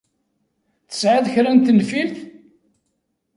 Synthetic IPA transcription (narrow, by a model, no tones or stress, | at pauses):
θə̥sʕaðçɾænt̪ənfilθ